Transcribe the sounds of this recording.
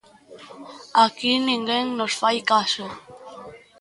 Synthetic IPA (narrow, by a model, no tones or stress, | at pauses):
akinĩŋɡeŋnosfajkaʃo